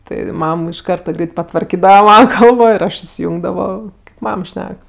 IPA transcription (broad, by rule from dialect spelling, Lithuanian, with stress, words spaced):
tɐɪ ˈmɐm ɪʃ ˈkɐrtɐ ˈɡrʲɛɪt pɐtʋɐrʲˈkʲiːdɐʋɐ ˈmɑːnɐ ˈkɐlˠboː ɪr ˈɐʃ ɪsʲɪˈjʊŋɡdɐʋoː ˈmɐm ˈʃʲnʲɛk